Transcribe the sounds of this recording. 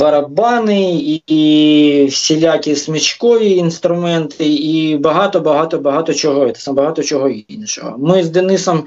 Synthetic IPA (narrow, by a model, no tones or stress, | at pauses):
bɐɾɐbɑnɪi | fsʲɪlʲakʲɪsmʲɪt͡ʃkojʲiːnst̪ɾʊmɛnt̪ɪibɐɦɑt̪ɔbɐɦat̪ɔbɐɦat̪ɔt͡ʃɔɦɔɛt̪ɛ̥sbɐɦat̪ɔt͡ʃɔɦɔinʲʃɔ̰ɦɔ̰mɪzd̪ɛnɪsɐm